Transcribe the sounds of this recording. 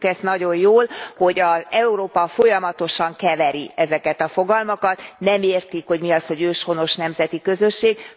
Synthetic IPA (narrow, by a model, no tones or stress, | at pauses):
kɛsnɒɟo̞jjoːlho̞ɟɒzɛuɾoːpɒfo̞jɒmɒt̪o̞ʃɒŋkɛvɛɾiɛzɛkɛt̪ɒfo̞ɡɒlmɒkɒt̪nɛmeːrt̪ikho̞ɟmiɒsho̞ɟøːʃho̞no̞ʃnɛmzɛt̪ikø̞zø̞ʃːeːɡ